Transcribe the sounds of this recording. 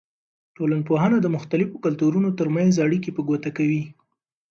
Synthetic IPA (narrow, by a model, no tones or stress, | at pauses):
ʈolanpoɦanad̪əmʊxt̪alɪfokalt̪uɾunot̪əɾmanzaɽikepəɡwat̪akawi